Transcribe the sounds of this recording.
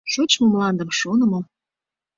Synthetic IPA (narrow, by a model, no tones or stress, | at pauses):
ʃot͡ɕmomlɑnd̪ə̆mʃonə̆mo